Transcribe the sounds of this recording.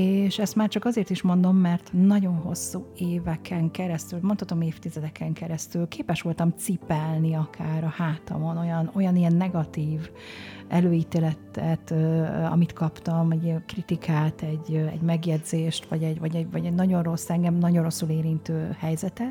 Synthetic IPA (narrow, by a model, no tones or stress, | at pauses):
eːʃɛst̪maːrt͡ʃɒkɒzeːrt̪iʃmo̞nd̪o̞mːɛrt̪nɒɟo̞nɦo̞̰sːuːeːvɛkʰɛŋkɛɾɛst̪ylmot̪hɒt̪o̞meːft̪izɛd̪ɛkʰɛŋkɛɾɛst̪ylkeːpɛʃʋo̞lt̪ɒmt̪sipɛlniɒkʰaːɾɒhaːt̪ɒ̰mo̞no̞jɒno̞jɒnijɛnːɛɡɒt̪iːv | ʔɛløːiːt̪eːlɛt̪ɛt̪øɒ̰mit̪kɒpt̪ɒmɛɟkrit̪ikaːt̪ɛɟɛ̰ɟmɛɡjɛdzeːʃt̪ʋɒɟɛɟvɒɟɛɟvɒɟɛnɒɟo̞nro̞sːɛŋɡɛmnɒɟo̞nro̞sːuleːɾint̪øːhɛjzɛt̪ɛt̪